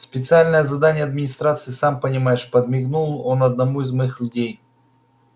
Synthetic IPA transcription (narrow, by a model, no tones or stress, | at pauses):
spʲɪt̪sɨalʲnəjəzɐd̪anʲɪjəɐd̪mʲɪnʲɪst̪ɾat̪sɨɪsampənʲɪmajɪʂpəd̪mʲɪɡnulˠonɐd̪̚nɐmuizmɐixlʲʉdʲej